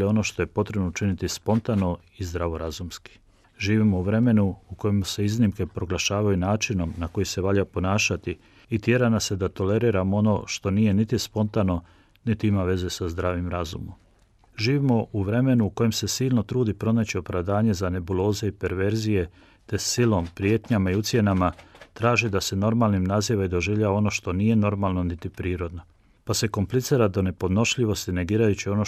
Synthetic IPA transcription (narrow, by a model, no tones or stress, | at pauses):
eo̞no̞ʃt̪o̞je̞po̞t̪ɾe̞bnout͡ʃinit̪ispo̞nt̪ano̞ | izd̪ɾaʋoɾazumski̥ | ʒiːʋimouʋɾe̞me̞nuuko̞jemse̞iznimke̞pɾo̞ɡlaʃaːʋajunaːt͡ʃino̞mnako̞jise̞ʋaʎapo̞naːʃat̪iː | t̪je̞ɾanased̪at̪o̞le̞ɾiɾamoo̞no̞ʃt̪o̞nijenit̪ispo̞nt̪ano̞ | nit̪iimaʋe̞ze̞sazd̪ɾaːʋimɾazṵmo̰m | ʒiːʋimo̞ʔuʋɾe̞me̞nuuko̞je̞mse̞siːlˠno̞t̪ɾuːd̪ipɾo̞nat͡ɕio̞pɾaʋd̪aːɲe̞zane̞bulˠo̞ːze̞ipe̞ɾʋe̞ɾzije̞ | t̪e̞silo̞mpɾije̞t̪ɲamaiut̪sʲje̞namat̪ɾaːʒid̪ase̞no̞ɾmalˠnimnaziʋaid̪o̞ʒiʋʎaʋao̞no̞ʃt̪o̞nije̞no̞ɾmalˠno̞nit̪ipɾiːɾo̞d̪no̞ | pase̞ko̞mplit̪siːɾad̪o̞ne̞po̞d̪no̞ʃʎiʋo̞st̪ine̞ɡiːɾajut͡ɕio̞no